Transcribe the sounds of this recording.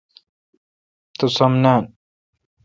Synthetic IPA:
t̪osɐmnaːn

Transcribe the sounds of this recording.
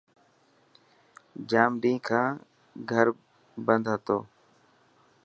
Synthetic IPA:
d͡ʒaːmɖĩːkʰãː | ɡʱəɾ | bənd̪ʱɦət̪o̰ː

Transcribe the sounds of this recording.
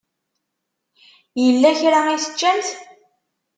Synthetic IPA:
jəlːæçɾaŋisə̥t͡ʃːænt̪

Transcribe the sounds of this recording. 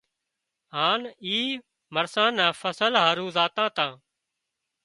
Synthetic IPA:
haːniː | məɾsãːnãːfəsəlɦaːɾũːzaːt̪ãːt̪ãː

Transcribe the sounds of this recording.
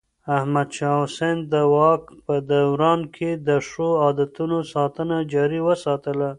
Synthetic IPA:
ahmad̪ʃɑʊsend̪əwɑkpəd̪awɾɑnkʰed̪əʂoɑd̪at̪unosɑt̪ənad͡ʒɑɾiwəsɑt̪əla

